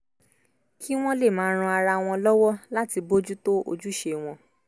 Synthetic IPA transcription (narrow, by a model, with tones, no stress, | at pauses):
kʰi˦w̃ɔ̃˦le˦˨mãː˨˦ɾ̃ũ˧a˧ɾa˧w̃ɔ̃˧lɔ˦wɔ˦la˦ti˧bo˦d͡ʒu˦to˦o̰˧d͡ʒu˦ʃe˧w̃ɔ̃˧